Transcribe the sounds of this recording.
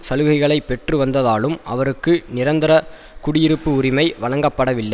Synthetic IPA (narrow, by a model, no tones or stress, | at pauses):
sɐlɯɣɐɪɣɐɭɐɪpːɛʈrɯʋɐnd̪ɐðaːlɯmʔɐ̰ʋɐɾɯkːɯnɪɾɐnd̪ɪɾɐ | kʊɽɪjɪɾɯpːɯʊɾɪmɐɪʋɐɭɐŋɡɐpːɐɽɐʋɪlːɐɪ